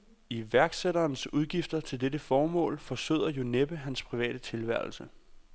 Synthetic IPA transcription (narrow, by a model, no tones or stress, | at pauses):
iʋæɐɡ̥seɾɐːnsuð̞ˠɡ̥ifd̥ɐt͡sʰe̝ld̥edəfɒːmɔ̰̽ːlfɒ̽sø̰ð̰ˠɐjo̝neb̥əɦænspʰʁiʋɛ̰ːɾ̥ət͡sʰe̝lʋæɐ̰l̩sə